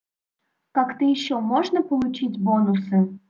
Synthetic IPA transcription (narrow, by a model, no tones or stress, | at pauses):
kɑkt̪ɨiɕːɔmɔʒnəpolˠut͡ɕitʲbonusɨ